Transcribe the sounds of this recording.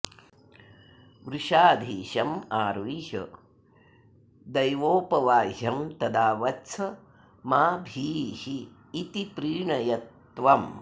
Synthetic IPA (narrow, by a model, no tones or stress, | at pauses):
ʋɾuʃaːd̪ʱiːʃɐmaːɾʋiːʃɐ̰ | d̪ɐjʋoːpɐʋaːɦɐmt̪ɐd̪aːʋɐtt͡ʃʰɐ | maːbʱiːʃiː | t̪ipɾiːɳɐjɐt̪ | ʋɐm